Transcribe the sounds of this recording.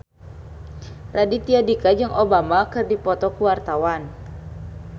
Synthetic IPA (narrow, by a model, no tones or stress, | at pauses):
radit̪iadikad͡ʒɨŋʔobamakɨrdipɔt̪ɔkuwart̪awan